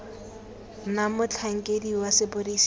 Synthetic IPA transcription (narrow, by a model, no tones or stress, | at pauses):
namʊt͡ɬʰaŋ̩kʼediwasɪbʊris